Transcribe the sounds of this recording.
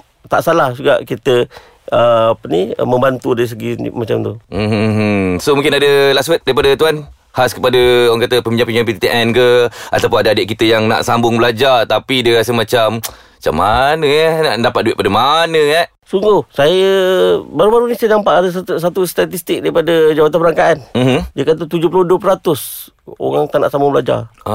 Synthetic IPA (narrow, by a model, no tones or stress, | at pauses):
t̪aʔsalahd͡ʒuɡa̰ʔkit̪ə | əapəniə̰mə̃mbant̪udaɾis̬əɡimat͡ʃamt̪um̩hsomũŋkɪnadəlasət̪̚daɾipadət̪uan | haskə̥padəwaŋkat̪əpəmbiɲd͡ʒaŋpəmiɲd͡ʒãŋmpit̪it̪iʔɛnkəa̰t̪awp̬ʊnadəadɪʔ̚kit̪əjaŋna̰ʔsambʊŋbəlad͡ʒart̪apidəɾasəmat͡ʃam | at͡ʃa̰mːanə̃ɛnaʔndapat̪̚dueʔ̚padəmanə̃aʔ | suŋɡuhsajəbaɾubaɾunisajənampaʔadəs̬as̬at̪ust̪at̪ist̪ɪk̚daɾipadad͡ʒabat̪anpəɾaŋkaʔanm̩mdiəkat̪ət̪ud͡ʒʊp̬lʊhduəpɾat̪ʊs | o̰ɣaŋt̪ana̰ʔsambʊŋblad͡ʒa̰ra